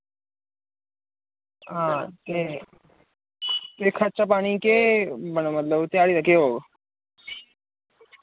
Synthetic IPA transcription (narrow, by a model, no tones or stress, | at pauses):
ɦãt̪e | t̪ekʰat͡ɕapaɽ̃ikebəɽ̃omət̪ləbt̪eaɽit̪əkeɦoɡ